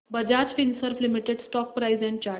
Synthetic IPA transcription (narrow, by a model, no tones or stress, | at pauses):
bəd͡ʑat͡sfinsəɾflimiʈeɖsʈɔk̚pɾajzɛ̃ɳ̚t͡ɕa